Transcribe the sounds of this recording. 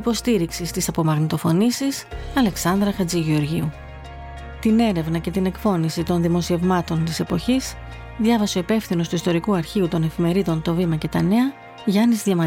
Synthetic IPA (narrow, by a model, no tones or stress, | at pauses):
ipo̞st̪iɾiksist̪isɐpo̞mɐɣnit̪o̞fo̞nisisɐle̞ksɐnd̪ɾɐxɐd͡ziʝeoɾʝiu | t̪ine̞ɾe̞vnɐce̞t̪ine̞kfo̞nisit̪o̞nðimo̞sie̞vmɐt̪o̞nt̪ise̞po̞çis | ðjʝɐvɐseo̞ipe̞fθino̞st̪uist̪o̞ɾikuɐɾçiut̪o̞ne̞fime̞ɾiðo̞nt̪o̞vimɐce̞t̪ɐne̞ɐ | ʝɐnizðʝɐmɐ